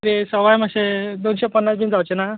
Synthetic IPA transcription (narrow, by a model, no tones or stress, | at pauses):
ɾesəʋajmaɕed̪onɕepənːasɡĩnd͡zawt͡ɕena